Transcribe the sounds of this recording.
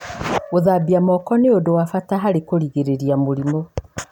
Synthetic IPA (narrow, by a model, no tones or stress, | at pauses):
oðabiamɔkɔneodowafataɦaɾekoɾiɣeɾeɾiamoɾimo